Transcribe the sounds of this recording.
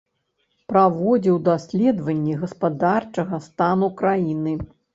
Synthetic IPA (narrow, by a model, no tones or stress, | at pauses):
pɾavɔd͡zʲiwd̪asʲlʲɛd̪vɐnʲːɛɣɐspad̪art͡ʂɐɣɐst̪anukɾajinɨ